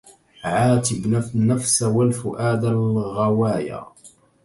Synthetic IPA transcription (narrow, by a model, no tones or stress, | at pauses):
ʕaːt̪ɪbnafsawalfʊʔaːd̪alɣɑwaːja̰ː